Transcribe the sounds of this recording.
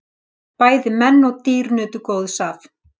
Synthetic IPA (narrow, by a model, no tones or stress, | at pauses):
paːjðɪmɛnːɔɣt̪iːɾnœːt̪ʏkoːwðsaːv